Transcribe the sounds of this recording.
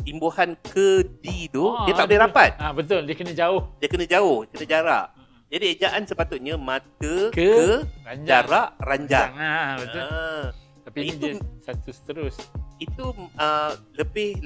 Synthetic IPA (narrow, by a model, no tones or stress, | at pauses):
imbuhankədidudiat̪aʔbəlɛhɾapat̪̚abət̪ʊldiəkənãd͡ʒaʊhdiəkənãd͡ʒaʊhdəkənãd͡ʒaɾa̰ʔ | d͡ʒadied͡ʒaʔansəpat̪ʊt̪̚ɲãmãt̪əkəkəad͡ʒaɾaʔraɲd͡ʒaŋbə | t̪apiitusat̪usə̥t̪əɾʊsit̪uələbɪh